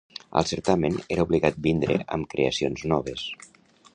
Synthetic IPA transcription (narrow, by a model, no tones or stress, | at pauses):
ə̰lˠseɾt̪ameneɾauβliɣat̪̚bind̪ɾḛʔə̰mkɾḛəsionznɔβ̞es